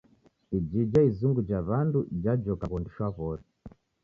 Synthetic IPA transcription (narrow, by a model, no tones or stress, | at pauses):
id͡ʒid͡ʒaizuŋɡud͡ʒaβandud͡ʒad͡ʒɔkakɔndiʃwaβɔsɛ